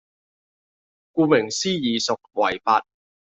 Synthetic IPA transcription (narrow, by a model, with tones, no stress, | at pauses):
kuː˧mɪ˨˩ŋsiː˥jiː˨sʊ˨k̚wɐ˨˩jfaː˧t̚